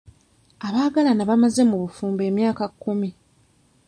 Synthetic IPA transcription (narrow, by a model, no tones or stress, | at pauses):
aβaːɡalanaβamaze̞muβufuːmbe̞ːmjaːkakːumi